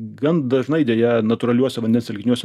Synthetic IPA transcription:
ɡɐnd̪ɐʒnɐɪd̪ʲɛjɛnɐt̪ʊɾɐlʲuɔsʲɛʋɐnʲd̪ʲɛnsʲɛlʲɡʲɪnʲuɔsʲɛ

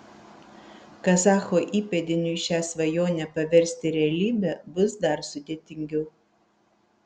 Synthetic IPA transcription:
kɐsɑːxoːʔiːpʲɛd̪ʲɪnʲʊɪʃʲæːsʋɐjoːnʲɛpɐʋʲɛɾʲsʲt̪ʲɪɾʲɛɐlʲiːbʲɛbʊsd̪ɐɾsʊd̪ʲeːt̪ʲɪŋʲɡʲɛʊ

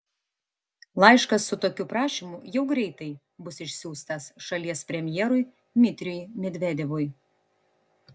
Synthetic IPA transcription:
lˠɐɪʃkɐsːʊt̪oːkʲuːpɾɑːʃʲɪmʊjɛʊɡɾʲɛɪt̪ɐɪ | bʊsɪʃʲsʲuːst̪ɐsʃɐlʲiɛspʲɾʲɛmʲjɛːɾʊj | d̪ʲmʲɪt̪ʲɾʲʊjmʲɛd̪ʲʋʲɛd̪ʲɛʋʊj

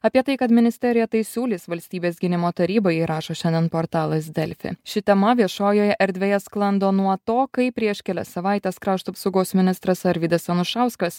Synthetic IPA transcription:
ɐpʲiɛt̪ɐɪkɐt̪mʲɪnʲɪsʲt̪ʲɛɾʲɪjɛt̪ɐɪsʲuːlʲiːsʋɐlʲsʲt̪ʲiːbʲeːsɡʲɪnʲɪmoːt̪ɐɾʲiːboːjɛɾɑːʃoːʃʲɛnʲd̪ʲiɛnpoːɾt̪ɑːlˠɐsd̪ʲɛlʲfʲɪ̰ʃʲɪt̪ʲɛmɐʋʲiɛʃoːjoːjɛʔɛɾʲd̪ʲʋʲeːjɛsklˠɐnd̪oːnuɔt̪oːkɐɪpʲɾʲiɛʃkʲɛlʲɛ̰sɐʋɑˑɪt̪ʲeskɾɑːʃt̪ɐpsɐʊɡoːsmʲɪnʲɪst̪ɾɐsɐɾʲʋʲiːd̪ɐsɐnʊʃɑˑʊskɐs

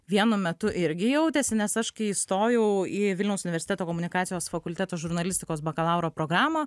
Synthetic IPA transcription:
ʋʲiɛnʊmʲɛt̪ʊʔɪɾʲɡʲɪjɛʊt̪ʲeːsʲɪnʲɛsɐʃkɐist̪oːjɛʊiːʋʲɪlʲnʲɛʊsʊnʲʋʲɛɾʲsʲɪt̪ʲɛt̪oːkoːmʊnʲɪkɑːt̪ʲɪjoːsfɐkʊlʲt̪ʲæːt̪oːʒʊɾnɐlʲɪsʲt̪ʲɪkoːsbɐkɐlˠɑʊɾoːpɾoːɡɾɑːmɐː

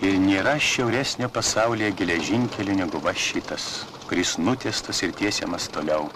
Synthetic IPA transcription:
ɪɾnʲeːɾɐʃʲɛʊɾʲæsʲnʲoːpɐsɑˑʊlʲijɛɡʲɪlʲɛʒʲɪŋʲkʲɛlʲʊnʲɛɡʊʋɐʃʲiːt̪ɐs | kʊɾʲɪsnʊt̪ʲiːst̪ɐsɪɾt̪ʲiɛsʲɛ̰mɐst̪oːlʲɛʊ

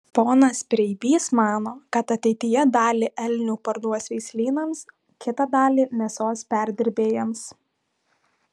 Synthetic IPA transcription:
poːnɐspʲɾʲɛɪbʲiːsmɑːnoːkɐt̪ɐt̪ʲɛɪt̪ʲɪjɛd̪ɑːlʲɪʔɛlʲnʲuːpɐɾd̪uɔsʲʋʲɛɪsʲlʲiːnɐms | kʲɪt̪ɐd̪ɑːlʲiːmʲɛsoːspʲæˑɾʲd̪ʲɪɾʲbʲeːjɛms

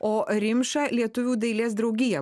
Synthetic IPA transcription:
oːɾʲɪmʲʃɐlʲiɛt̪ʊʋʲuːd̪ɐɪlʲeːs̬d̪ɾɐʊɡʲɪjɛ

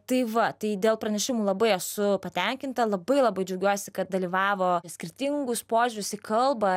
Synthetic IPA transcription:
t̪ɐɪʋɐt̪ɐɪd̪ʲeːlˠpɾɐnʲɛʃʲɪmuːlˠɐbɐɪɛsʊpɐt̪ʲɛŋʲkʲɪnt̪ɐlˠɐbɐɪlˠɐbɐɪd͡ʒʲɐʊɡʲuɔsʲɪkɐt̪̚d̪ɐlʲiʋɑːʋoːsʲkʲɪɾʲt̪ʲɪŋɡʊspoːʒʲʊɾʲʊsɪkɐlˠbɐ

